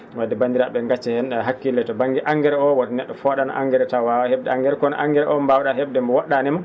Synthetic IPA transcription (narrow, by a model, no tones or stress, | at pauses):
wadːɛbandiɾaɓɛŋɡat͡ʃːɛhɛnɗɛɦakːilːɛtɔbaŋɡiʔaŋɡɛɾɛɔwatnɛɗːɔfɔɗana̰ʔa̰ŋɡɛɾɛtawawaheb̚dɛaŋɡɛɾɛkɔna̰ʔaŋɡɛɾɛʔɔmbawɗaɦebdɛmbɔwɔɗːanɛma